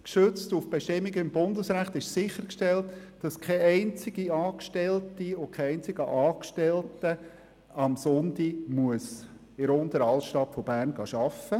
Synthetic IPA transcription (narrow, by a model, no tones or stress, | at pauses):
kʃøt͡stufb̥eʃtɪmːiɡəɪmbʊndəsɾæχt̪ɪʃsɪχəɾkʃtɛltːd̥ɑskʰɛɛɪnt͡sɪɡ̥iɑːkʃtɛltiokʰɛɛɪnt͡sɪɡ̥əʔɑːkʃtɛltə | ɑmsʊntimuəs | ɪɾʊnt̪əɾɑltʃtɑtfɔb̥æːɾnɡɑːʃɑfə